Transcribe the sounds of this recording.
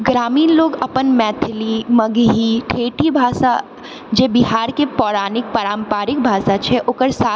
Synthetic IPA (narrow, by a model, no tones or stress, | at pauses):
ɡɾaːmiːnloːɡɐpənmɛːt̪ʰɪlimɐɡɦiʈʰeːʈʰibʱaːʃa | d͡ʒeːbiɦaːɾkepɔːɾaːnɪk̚pəɾaːmpaːɾɪk̚bʱaːʃat͡ʃʰɛʔʊkəɾsaː